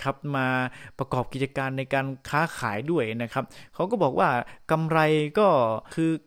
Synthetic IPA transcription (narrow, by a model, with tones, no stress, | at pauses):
kʰa˦˥p̚maː˧pɾa˧kɔː˨˩p̚ki˨˩t̪t͡ɕa˧kaː˧nːa˧jkaː˧nkʰaː˦˥kʰaː˩˦jdu˥˩əjna˦˥kʰa˦˥p̚kʰa˦˥wkɔː˥˩bɔː˨˩k̚waː˥˩ka˧mɾa˧jkɔː˥˩kʰɯː˧